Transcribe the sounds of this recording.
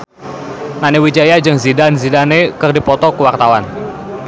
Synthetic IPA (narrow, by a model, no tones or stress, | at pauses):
ŋanewid͡ʒajad͡ʒɨŋzidanzidanekərdipɔt̪ɔkəwart̪awan